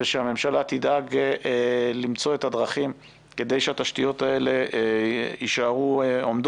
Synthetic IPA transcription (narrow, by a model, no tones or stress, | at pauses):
eʃeame̞mʃalat̪idaɡ | limt͡so̞e̞t̪hadʁaχim | ke̞d̪e̞jʃeat̪aʃtijo̞t̪ae̞le̞ | jiʃaʁuomd̪